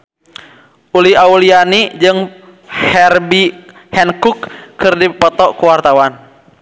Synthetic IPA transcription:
ʔuliaulianid͡ʒɨŋ | hɛrbi | hɛnkukːɨrdipɔt̪ɔkuwart̪awan

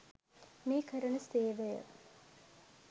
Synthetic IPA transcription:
meːkəɾənəseːʋejə̰

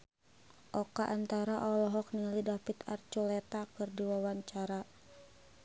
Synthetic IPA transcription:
ʔɔkaʔant̪aɾaʔɔlɔɦɔk̚nilidapit̪a̰rt͡ʃulɛt̪akɨrdiwawaɲt͡ʃaɾa

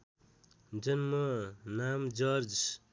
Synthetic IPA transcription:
d͡ʒʌnmʌnaːmd͡ʒʌɾd͡ʒ

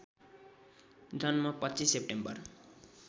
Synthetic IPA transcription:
d̪ʱʌnmapʌtːt͡sisep̚ʈembʌr

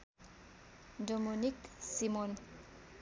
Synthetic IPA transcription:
domuniksimon

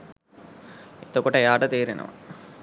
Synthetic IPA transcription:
it̪okuʈɐjaːʈɐt̪iːɾinɐ̰ʋɐ̰

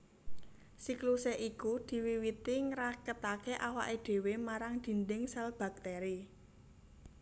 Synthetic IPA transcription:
sikluseʔikud̪̥i̤wiwit̪iŋɾakət̪akeʔawaʔeɖ̪̥e̤wemaɾaŋd̪̥i̤nd̪ɪŋsɛlb̥a̤k̚t̪eɾi

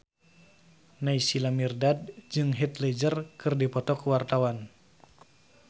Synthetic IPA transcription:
naisilamirdad̚d͡ʒɨŋɦit̪lɛd͡ʒərkɨrdipɔt̪ɔkuwart̪awan

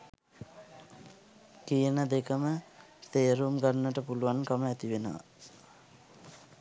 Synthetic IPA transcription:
kijənəd̪ekəmət̪ejəɾuːmɡərnəʈəpuluwankəməɛt̪iʋenəʋa̰

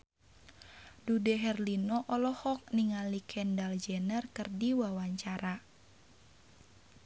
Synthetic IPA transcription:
dudɛɦɛrlinɔʔɔlɔhɔk̚niŋalikʰɛndald͡ʒɛnərkɨrdiwawaɲt͡ʃaɾa

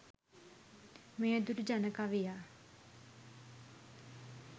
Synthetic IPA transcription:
mejəd̪uɾud͡ʒanəkaʋija

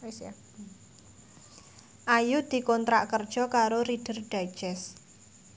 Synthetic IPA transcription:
s | ʔajud̪̥i̤kɔnt̪ɾaʔkərd̥ʒ̥ɔ̤kaɾoɾiɖ̥ə̤rɖ̥ḁd͡ʒɛs

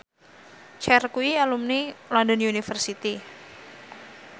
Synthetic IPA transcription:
t͡ʃɛrkuialumnilɔndɔnunifərsit̪i

